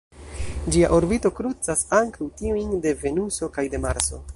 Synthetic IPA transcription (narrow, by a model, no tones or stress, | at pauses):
d͡ʒia̰ʔoɾbito̞kɾut͡sasaŋkawtiujnde̞ve̞nuso̞kajde̞maɾso̞̰